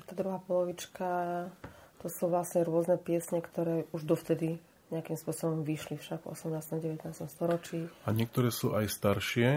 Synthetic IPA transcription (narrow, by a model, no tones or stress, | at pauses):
t̪aːd̪ɾuɦaːpɔlɔʋit͡ʃka | t̪ɔsuʋlasɲɛɾʊɔznɛpɪɛsɲɛkt̪ɔɾɛːuʒd̪ɔft̪ɛd̪i | ɲɛakimspʊɔsɔbɔmʋiʃlifʃaɡvɔ̰sɛmnaːst̪ɔmɟɛʋɛt̪naːst̪ɔmst̪ɔɾɔt͡ʃiːaɲɪɛkt̪ɔɾɛːsuːʔajst̪aɾʃɪɛ